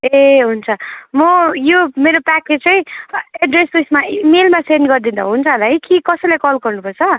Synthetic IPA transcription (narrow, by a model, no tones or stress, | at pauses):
eɦunt͡sʰʌmʌjomeɾopaklet͡sʌĩeɖresujsmamelmasenɡʌrd̪ind̪ʌɦunt͡sʰʌlajkikʌsʌjlajkʌlɡʌrnupʌrt͡sʰʌ